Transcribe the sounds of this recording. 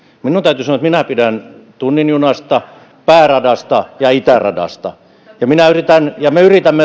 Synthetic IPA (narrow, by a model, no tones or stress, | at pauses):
minunt̪æyt̪ysɑoɑet̪minæpidænt̪unːinjunɑst̪ɑ | pæːrɑdɑst̪ɑjɑit̪ærɑ̰dɑ̰st̪ɑ̰ | jɑminæyrit̪ænjɑmeyrit̪æmːe